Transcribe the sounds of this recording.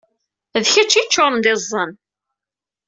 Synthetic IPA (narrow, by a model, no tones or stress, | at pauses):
ðçæt͡ʃːit͡ʃːoɾˤnd̪ɪzˤːən